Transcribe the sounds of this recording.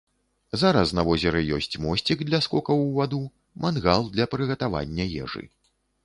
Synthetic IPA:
zaɾɐsnɐvɔzʲɛɾɨjɔ̰sʲt͡sʲmɔsʲt͡sʲiɡd̪lʲɐskɔkɐwvad̪u | manɣalˠd̪lʲɐpɾɨɣɐt̪ava̰nʲːɐjɛ̰ʐɨ̰

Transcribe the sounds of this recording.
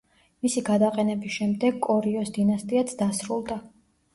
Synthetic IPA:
misiɡad̪aqʼɛnɛbisʃɛmd̪ɛɡkʼɔɾiɔsd̪inast̪ʼiat̪sʰd̪asɾulˠd̪a

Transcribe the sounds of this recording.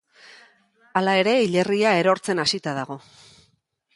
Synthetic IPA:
alae̞ɾe̞iʎe̞riae̞ɾo̞ɾt͡se̞nasit̪að̞aɣ̞o̞

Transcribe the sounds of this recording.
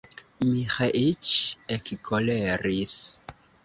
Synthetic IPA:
mixaʔit͡ʃekkʰoleɾis

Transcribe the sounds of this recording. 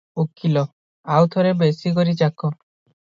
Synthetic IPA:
ukːilɔ | awt̪ʰɔɾebesikɔɾit͡ʃakɔ

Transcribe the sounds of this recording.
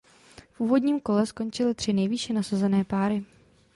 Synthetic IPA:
fʔuːvo̞dɲiːmko̞lɛsko̞nt͡ʃɪlɪt̪r̝̥ɪnɛjviʃɛnasazɛnɛːpaːɾɪ

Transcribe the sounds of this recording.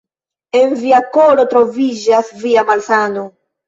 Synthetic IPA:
eɱviakoɾot̪ɾoviʒasviamalsano

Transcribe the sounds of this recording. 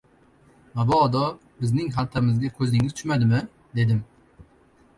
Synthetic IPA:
mabɒːd̪ɒ | bɪznɪŋɦalt̪ʰamɪzɡʲakʰɵzɪŋɪzt̪ʰʊʃmad̪ɪmɪ | d̪e̞d̪ɪm

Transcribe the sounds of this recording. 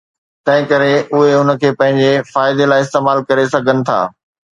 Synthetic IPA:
t̪ɐ̃ɦɪ̃kɐɾeʊɦeʊnəkʰeːpɐ̃ɦɪ̃ɲd͡ʑefaːɪd̪elaːɪs̬t̪eːmaːlkɐɾesɐɡʱənɪ̆t̪ʰa̰ː

